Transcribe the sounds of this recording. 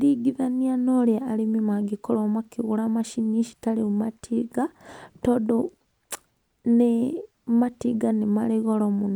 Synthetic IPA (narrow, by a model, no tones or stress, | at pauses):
liɡiðanianolaːlimimaɡikolomakiɣulamaʃiniʃi̥talimumatʰiɡatodo | ne | matiɡanemaleɣolomuno